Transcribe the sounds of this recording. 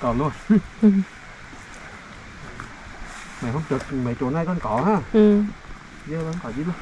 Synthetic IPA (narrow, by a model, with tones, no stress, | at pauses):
kɔː˨˩nlu˧ən˧˩ | ma˨˩jɦə˧wŋ͡mt͡ɕə˨˩k̚ma˨˩˦t͡ɕo˨˩na˧jkɔ˧nkɔ˨˦haː˧˩˨ | zə˧la˨˦nkɔ˨˩zi˧˦l